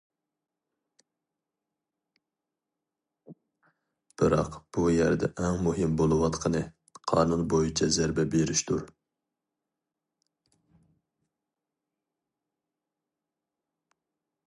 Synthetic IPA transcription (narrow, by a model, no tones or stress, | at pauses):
b̥ɨɾɑqb̥ujæɾd̪ɛ̰ʔɛŋmuɦɪmbolˠɨwɑt̪qʰənɨ | qʰɑ̰ːnunbojit͡ʃʰɛzæɾbɛbeɾiʃt̪ʰuɾ